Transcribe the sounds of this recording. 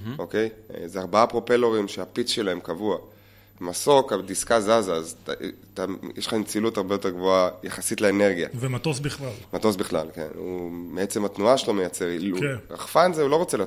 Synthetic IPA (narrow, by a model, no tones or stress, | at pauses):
o̞ke̞j̰zeaʁbaapʁo̞peloʁimʃeapit͡sʃe̞laemkavua | maso̞kadiskazazaztajeʃant͡silutaʁbejote̞ʁɡvoajaχasitleene̞ʁɡija̰vemat̪osbiχlalmato̞sbiχla̰lke̞̰nṵmeet͡se̞mat̪nuaʃelo̞mejat͡se̞ʁiueaχfanzeulo̞ʁot͡sele